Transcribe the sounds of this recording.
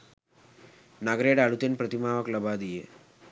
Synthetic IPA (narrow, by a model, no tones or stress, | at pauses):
naɡɾeɖaɭut̪enpɾət̪imaʋəkləbad̪ijḛ